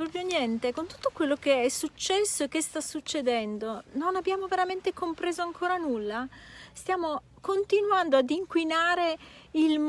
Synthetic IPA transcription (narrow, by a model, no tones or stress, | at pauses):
pɾɔpɾjonjɛnt̪ekont̪u̥t̪ːokwelːok̟eɛsːut͡ʃːɛsːoekːest̪asut͡ʃːed̪ɛnd̪ononabjaːmoveɾament̪ekompɾeːzoaŋkʰoːɾanulːast̪jaːmo | kont̪inwand̪oad̪iŋkwinaːɾeilm